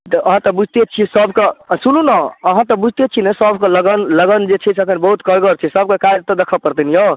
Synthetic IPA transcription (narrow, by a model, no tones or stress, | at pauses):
t̪ʔəɦãt̪ɔbud͡ʒʱt̪et͡ʃʰisəbkesunũnaəɦãt̪ɔbud͡ʒʱt̪et͡ʃʰinesəbʱkẽləɡənləɡənd͡ʒet͡ʃʰɛsʰəkʰənbəɦut̪kəɾɡəɾt͡ʃʰisəb̚kekad͡ʒt̪ɔd̪ekʰəpəɾt̪injõ